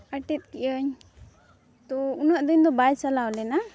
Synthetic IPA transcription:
əʈɛt̪̚kɛʔəɲ | t̪ɔunəʔd̪əɲd̪ɔbajt͡ʃalawlɛna

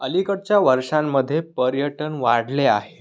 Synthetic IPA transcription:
əlikəɽt͡ɕjaʋəɾʂamːəd̪ʱːjepəɾjəʈənʋaɽlea̰ɦe

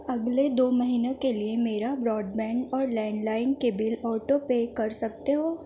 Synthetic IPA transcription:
ɐɡled̪oːmɐɦiːnekeliemeːɾabɾɔːɖbɛ̃ːɳɖɔːɾlɛ̃ːɳɖlaːɪnkebɪlɔːʈopekɐɾsɐk̚t̪eɦoː

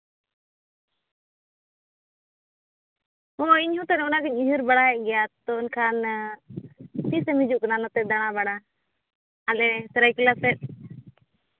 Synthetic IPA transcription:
ɔiɲhũt̪anɛɔnakəɲiɦuɾbaɽaɦɛʔ̚ɡɛjat̪ɔnkʰan | p̪isɛmid͡ʒuʔkananɔt̪ɛd̪aɽ̃abaɽaː | lɛsɛɾajkilasɛt̪̚

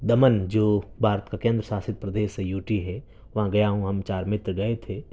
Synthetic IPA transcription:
d̪ɐmənd͡ʒoːbʱaːɾət̪kakẽːnd̪ɾəsaːsɪt̪̚pɾɐd̪eːʃːejuːʈiɦɛ | ʋɐɦãɡɐjaɦũɦɐmt͡ʃaːɾmɪt̪ɾɡɐet̪ʰeː

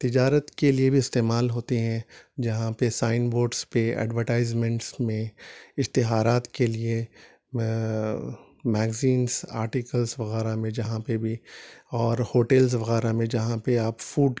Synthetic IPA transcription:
t̪ɪd͡ʒaːɾət̪keliebʱiɪst̪eːmaːlɦoːt̪eɦɛ̃d͡ʒɐɦãpesaːɪnboːɖspeɛ̰ːɖʋəʈaːɪzmɛ̃ɳʈsmẽɪʃt̪ɪɦaːɾaːt̪kelie | mɛːɡziːnza̰ːɾʈikəlzʋɐɣɛːɾamẽd͡ʒɐɦãpebʱiɔːɾhoːʈelz̬ʋɐɣɛːɾamẽd͡ʒɐɦãpeaːpfuːɖ

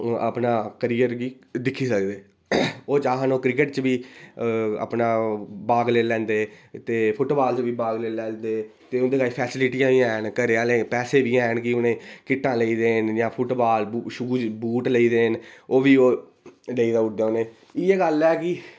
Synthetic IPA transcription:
əpnaːkəɾiːjəɾɡiː | d̪ɪkʰːiːsəkd̪eː | oːt͡ʃaːɦənoːkɾɪkəʈt͡ʃʋiː | ə̰pnaːbaːɡleːlɛ̃ːnd̪eːt̪eːpʰʊʈːbaːlt͡ʃʋiːbaːɡleːlɛ̃ːld̪eːt̪eːʊnd̪eːkaːipʰɛːsɪlɪʈijãːʋiːɛːnkəɾeːaːlẽːpɛːseːʋiːɛːnkiʊnẽːkɪʈːãːləiːd̪eːnjãːpʰʊʈbaːlʃʊɡuːt͡ʃbuːʈləiːd̪eːnoːʋiːoː | ləiːd̪aːʊd̪eoːneː | iːeːɡəlɛːkɪ

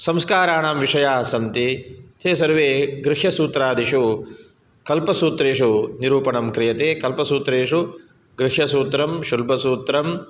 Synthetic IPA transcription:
sɐmskaːɾaːɳaːmʋiʂɐjaːsɐmt̪it̪ʰeːsɐɾʋeːɡɾɪʂjɐsuːt̪ɾaːd̪iʃu | kɐlpɐsuːt̪ɾeːʂuniɾuːpɐɳɐmkɾijɐt̪eːkɐlpɐsuːt̪ɾeːʂu | ɡɾɪʃjɐsuːt̪ɾɐmʃulbɐsuːt̪ɾɐm

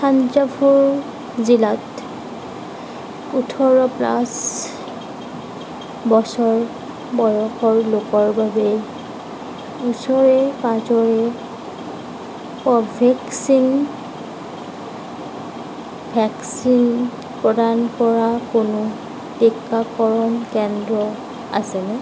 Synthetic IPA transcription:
sʰanzapʰuɹ | zilat | utʰɔɹɔpla̰s | bɔsɔɹ | bɔjɔxɔɹlokɔɹbabɛ | usɔɹɛpazɔɹɛ | pɔbʱɛksin | bʰʱɛksin | pɹɔdankɔɹakonʊ | tɛkːakɔɹɔnkɛndɹɔ | a̰sɛnɛ

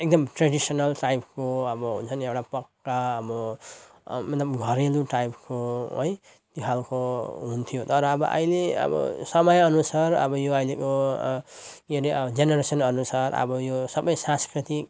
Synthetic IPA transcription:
ek̚d̪ʌmʈreɽisʌnʌlʈajpkoʌbʌɦṵnt͡sʰʌnewʈapʌkːaːbʌ | mʌt̪lʌbɡʱʌɾeluʈajpkoɦo̰j | t̪jokʰalkoɦunt̪ʰijot̪ʌɾʌːbʌ̰ʔʌ̰jleʌ̰bʌ̰sʌmʌjʌnusaɾʌ̰bʌjoʌjleko | eɾiʌbd͡zenʌɾesʌnʌnusaɾʌ̰bʌjosʌbʌjsãskɾit̪ik̚

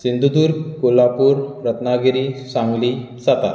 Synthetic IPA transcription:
sind̪ʱud̪uːɾkolapuːɾɾət̪naɡeɾisãŋɡliː | sat̪a̰

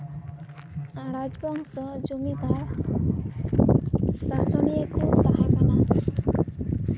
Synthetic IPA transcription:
aɾad͡zbʌŋsʌd͡zumid̪aɾ | sasʌniekod̪aɦakana

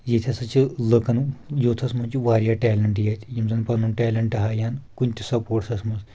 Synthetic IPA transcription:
jet̪ʰʲasɐt͡ʃiləkɐnjoːt̪ʰɐsmɐnt͡ʃiʋaːɾjaʈɛːlɐɳʈjat̪ʲjimzɐnpɐnunʈɛːlɐɳʈɐɦajaːnkunt̪ʲisɐpoːʈsɐsmɐs

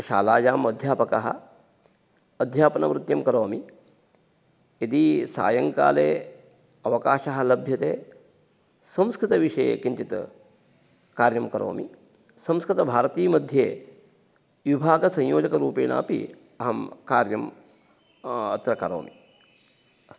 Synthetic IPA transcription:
ʃa̰ːlaːjaːmɐd̪ʱjaːpɐkɐɦɐ̰ | ɐd̪ʱjaːpɐnɐ̰ʋɾɪt̪jɐmkɐɾoːmi | id̪isa̰ːjɐŋka̰ːlḛː | ɐʋɐkaːʃɐɦɐ̆lɐbʱjɐt̪eː | sɐ̃mskɾɪt̪ɐʋiʂɐjḛkint͡ʃit̪ɐ | kaːɾjɐmkɐɾo̰ːmḭ | sɐ̃mskɾɪt̪ɐbʱaːɾɐt̪iːmɐd̪ʱjeː | ʋibʱaːɡɐsɐ̃jjoːd͡ʒɐkɐɾuːpeːna̰ːpḭ | ɐɦɐmkaːɾjɐm | ɐt̪ɾɐkɐɾo̰ːmi

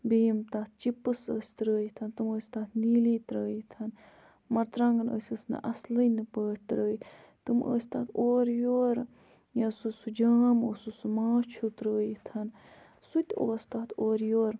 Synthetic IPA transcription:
beːmt̪aːt̪̚ʰt͡ʃipɨsə̰ːsʲt̪ɾəːjit̪ʰɐnt̪ɨməːsʲt̪aːt̪ʰniːliːt̪ɾəːjit̪ʰɐn | mɐɾt̪ɾaŋɡɨnə̰ːsʲəsnɨ̰ʔɐslənɨpəːʈ̚ʰt̪ɾəːji | t̪ɨmə̰ːsʲt̪aːt̪ʰoːɾjoːɾ | jɐsusud͡ʒaːmoːsusumaːt͡ʃʰut̪ɾəːjit̪ʰɐn | sut̪ʲoːsʲt̪aːt̪ʰoːɾjoːɾ

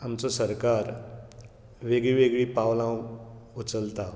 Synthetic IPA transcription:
amt͡sɔsəɾkaɾ | ʋeɡɭiʋeɡɭiːpaʋlãwut͡səlt̪a

